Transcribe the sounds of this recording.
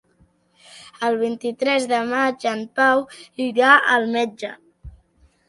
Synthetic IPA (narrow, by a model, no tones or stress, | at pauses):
əlˠβ̞int̪it̪ɾɛzðəmad͡ʒəmpawiɾaʔəlˠmɛd͡ʒə